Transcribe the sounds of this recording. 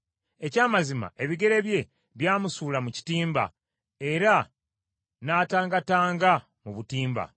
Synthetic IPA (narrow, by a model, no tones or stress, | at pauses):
e̞caːmazima̰ʔe̞βiɡe̞ɾe̞βje̞ | βjaːmusuːlamuci̥tiːmba̰ | e̞ɾa | naːtaːŋɡataːŋɡa | muβutiːmba̰